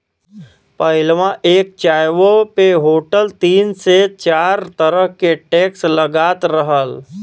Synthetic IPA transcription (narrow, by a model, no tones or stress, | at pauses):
pəɪlʋãʔeːk̚t͡ʃaːjʋopeɦoːʈəlt̪iːnset͡ʃaːɾt̪əɾəɦkeʈeːksləɡaːt̪ɾəɦəl